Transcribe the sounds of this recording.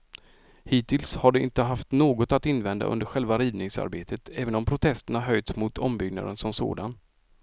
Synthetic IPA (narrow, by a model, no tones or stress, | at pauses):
hiːt̪ɪlshaɖɛʔɪ̰nt̪əɦaft̪noːɡɔt̪at̪ɪnːvɛnd̪a̰ʔɵ̰nd̪əɾɧɛlvaɾiːvnɪŋsa̰ɾbeːt̪ʰət̪ʰɛːvənɔmpʰɾʊt̪ʰɛst̪əɳaɦœjt̪smʊt̪ʰɔmbʏɡna̰d̪ə̰nsɔmso̰ːd̪an